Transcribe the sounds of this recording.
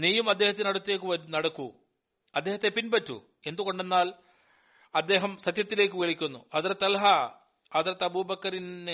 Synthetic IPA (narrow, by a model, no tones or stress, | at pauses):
niːjumɐd̪ːe̞ːhɐt̪ːenɐɽɐt̪ːeːkːɨʋɐɾnɐɽɐkːu | ɐd̪ːeːɦɐt̪ːe̞pinbɐtːṵ | e̞nd̪uɣo̞ɳɖe̞nːaːl | ɐd̪ːe̞ːɦɐmsɐt̪jɐt̪ːile̞ːkːɨʋeɭikʲːunːuɐt̪ɐɾɐt̪ːɐlɦɐ | ɐt̪ɾɐt̪ːɐbuːbɐkːɐɾin